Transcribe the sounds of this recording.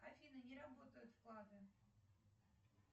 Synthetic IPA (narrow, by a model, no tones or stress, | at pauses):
afʲinɨnʲeɾabot̪əjʊt̪fklˠɑd̪ɨ